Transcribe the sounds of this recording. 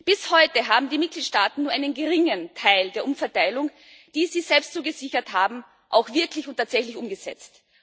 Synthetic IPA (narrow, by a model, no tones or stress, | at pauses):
b̥ɪshɔʏtəɦaːbm̩diːmɪt̚ɡ̥liːtʃtaːtn̩nːuɐʔa̰ɪnənɡəʁɪŋəntʰaɪldeːɐʔʊmfɛɐtaɪlʊŋ | d̥iːziːz̥ɛlpstt͡suːɡəzɪçɐthaːbm̩ | ʔa̰ʊxv̥ɪɐklɪçʊntʰːaːtz̥ɛçlɪçʔʊmɡəz̥ɛ̰t͡st